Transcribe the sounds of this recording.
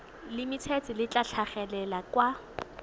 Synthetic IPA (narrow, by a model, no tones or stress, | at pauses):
lɪmɪt͡sʰɛt͡sɪlɪt͡ɬaɬʰaχɛlɛlakwa